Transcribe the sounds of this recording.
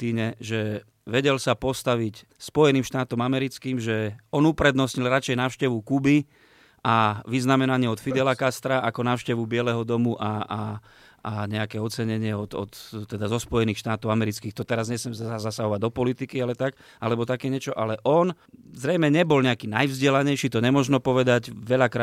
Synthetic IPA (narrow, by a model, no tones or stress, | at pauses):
t̪iːɲɛʒɛ | ʋɛɟɛlsapɔst̪aʋic | spɔjɛniːmʃt̪aːt̪ɔmamɛɾit͡skiːmʒɛɔnupɾɛd̪nɔsɲilɾat͡ʃɛjnaːʊʃcɛʋukubi | ʔaʋiznamɛnaɲɪɛɔt̪fid̪ɛlakast̪ɾaʔakɔnaːʊʃcɛʋubɪɛlɛɦɔd̪ɔmuʔa | aɲɛakɛːɔt͡sɛɲɛɲɪɛɔd̪ɔ̰t̪t̪ːɛd̪azɔspɔjɛniːxʃt̪aːt̪ɔʊamɛɾit͡skiːxt̪ɔt̪ɛɾazɲɛsɛmzaazasaɦɔʋaɟ̚d̪ɔpɔlit̪ikialɛt̪ak | alɛbɔt̪akɛːɲɛt͡ʃɔʔalɛʔɔn | zɾɛjmɛɲɛbɔlɲɛakiːnajvzɟɪɛlaɲɛjʃit̪ɔɲɛmɔʒnɔpɔʋɛd̪aɟʋɛʎakɾaː